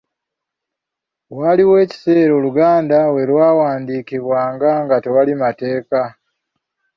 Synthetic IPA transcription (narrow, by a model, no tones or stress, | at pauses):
waliwe̞ːci̥se̞ːɾoːluɡaːndawe̞lwaːwaːndiːkiβwaːŋɡaŋɡatewalimate̞ːka